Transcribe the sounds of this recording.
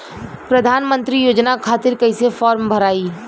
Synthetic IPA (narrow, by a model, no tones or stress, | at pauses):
pɾəd̪ʱaːnmə̃nt̪ɾijoːd͡ʒnakʰaːt̪ɪɾkɐɪsefɔːɾmbʱəɾaːiː